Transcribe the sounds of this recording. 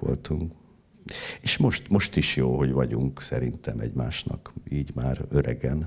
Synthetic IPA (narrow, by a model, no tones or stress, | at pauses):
o̰lt̪uŋk | eːʃmo̞ʃt̪mo̞ʃt̪iʃjoːɦo̞ɟʋɒɟuŋksɛɾint̪ɛmɛɟmaːʃnɒ̰kiːɟmaːrøɾɛɡɛn